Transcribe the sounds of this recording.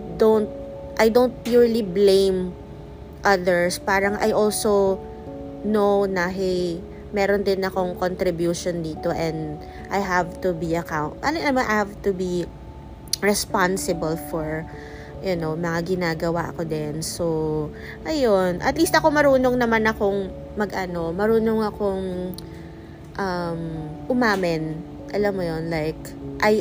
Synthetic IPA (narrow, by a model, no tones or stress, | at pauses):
d̪õwnt̪̚ | ʔajd̪ownt̪̚pjuɹliblẽjm | ʔɐðɛɹspaːɾɐŋʔa̰jʔolsow | nownaɦɛj | mɛːɾond̪ɪnɐko̞ŋkont̪ɾɪbjuʃond̪iːt̪oʔɛ̃nd̪ | ʔajɦavt̪ubiɐkãwnt̪ʔɐlamahavt̪ubi | ɹɛspansɪbɐlfɔɹ | jʊnowmɐŋaɡɪnaːɡɐwaʔɐ̰ko̞d̪ɛnso | ʔɐjonʔɐ̰t̪list̪ɐko̞mɐɾuːnoŋnɐmanɐkoŋ | mɐɡʔɐno̞mɐɾuːnoŋɐkoŋ | ʔɐmʔʊmaːmɪn | ʔɐlɐmːojonlajk̚ | ʔaj